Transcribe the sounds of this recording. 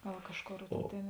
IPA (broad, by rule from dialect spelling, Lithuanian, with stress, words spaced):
ˈɡɐlˠ ˈkɑːʃˌkoːr ˈtʲeːn